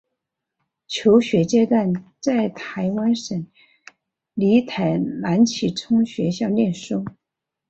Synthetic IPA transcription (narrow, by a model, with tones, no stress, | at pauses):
t͡ɕʰjo˧˥ʊɕɥɛ˧˥t͡ɕjɛ˥t̪wa˥˧nt͡sa˥˩ɪt̪ʰa˧˥ɪwa˥nʂə˨˩˦ŋ | li˧˥t̪ʰa˧˥˩ɪla˧˥nt͡ɕʰi˨˩ʈ͡ʂʰʊ˥ŋɕɥɛ˧˥ɕjɑ˥˧ʊljɛ˥˩nʂu˥